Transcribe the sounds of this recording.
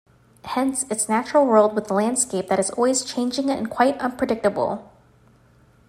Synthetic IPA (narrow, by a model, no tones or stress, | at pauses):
hɛ̃nsɨtsnæt͡ʃɹl̩ˠwɜ˞lˠd̚wəðlæ̃nd̥skeɪp̚ðɨɾɨzɔ̰lˠwiz̥t͡ʃʰẽɪ̃nd͡ʒɪ̃ŋɨ̰̃nkʰw̥aɪɾʌ̃npʰɹ̥ɨdɪk̚təbl̩ˠ